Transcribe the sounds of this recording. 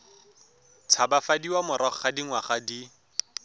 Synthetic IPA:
t͡sʰabafadiwamʊɾaχχadiŋwaχadi

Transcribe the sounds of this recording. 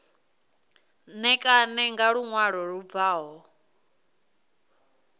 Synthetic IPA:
nɛkʼanɛŋɡaɺuŋwaɺɔɺub̪vaːɦɔ

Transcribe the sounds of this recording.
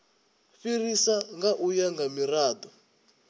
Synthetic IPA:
firisaŋɡaʔujaŋɡamiraːd̪ɔ

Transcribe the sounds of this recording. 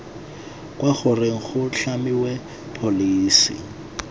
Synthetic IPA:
kwaɣʊreŋ̩χʊɬamiwɛ | pʰoliːsḭ

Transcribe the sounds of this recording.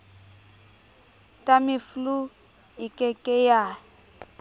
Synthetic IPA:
tʼamɪflu | ɪkʼɛkʼɛja

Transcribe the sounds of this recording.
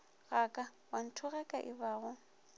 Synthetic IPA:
ɣakʼa | ban̩tʰʊɣɛkʼaʔɪbaːɣʊ

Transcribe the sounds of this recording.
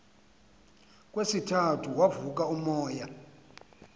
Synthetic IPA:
kʼwesitʰatʰuwavuk̬ʼaumɔːja

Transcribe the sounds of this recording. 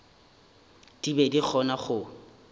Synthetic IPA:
d̥ibedik͡xʰɔnaχʊ

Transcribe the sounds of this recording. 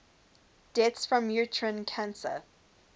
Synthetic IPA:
d̥ɛtsfɹə̃mjutʰɹə̃nkʰãnsə̰

